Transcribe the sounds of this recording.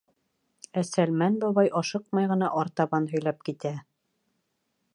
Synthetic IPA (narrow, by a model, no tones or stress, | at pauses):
æsælmænbɒβɑjʔɑʃɤq̚mɑjʁɤ̆nɑʔɑɾt̪ɑβɑnɦɵ̆jlɑp̚kit̪æ